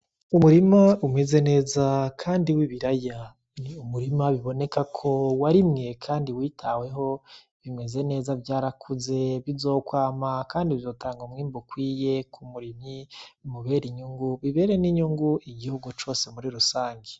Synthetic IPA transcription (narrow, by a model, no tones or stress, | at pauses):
umuɾimaumŋeze̞ne̞ːzakʰaːndiwiβiɾaja | niumuɾimaβiβo̞ne̞kakʰo̞waɾimŋe̞kʰaːndiwiːtʰawe̞ɦo̞ | βime̞ze̞ne̞ːzavjaːɾakʰuze̞βizo̞ːkwaːmakaːndiβizo̞ːtaːŋɡomŋiːmbokwiːje̞kʰumuɾimimuβe̞ɾiɲuŋɡuβiβe̞ɾe̞niɲuŋɡuʔiɡihuɡut͡ʃo̞ːse̞muɾiɾusaːŋɡe